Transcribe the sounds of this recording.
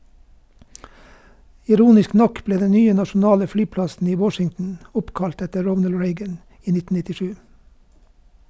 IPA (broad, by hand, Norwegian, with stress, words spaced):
ɪˈɾuːnɪsk ˈnɔk ˈbleː ˈdɛ ˈnyːə nɑʃn̩ˈɑːlə ˈflyːˌplɑsn̩ ˈiː ˈwɔʃɪŋtn̩ ˈʊpˌkɑlt ˈɛtə ˈɹɔnəl ˈɹeɪɡən ˈiː ˈnɪtn̩ nɪtɪˈʃʉː